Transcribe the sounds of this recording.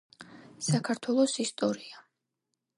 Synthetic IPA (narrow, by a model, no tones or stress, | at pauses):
sakʰaɾt̪ʰwɛlˠɔsist̪ʼɔɾia